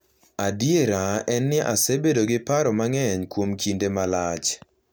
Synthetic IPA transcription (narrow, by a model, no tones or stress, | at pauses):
adjeɾaʔɛnːɪʔasebedoɡɪpaɾɔmaŋɛɲkwomkʰindemalat͡ʃ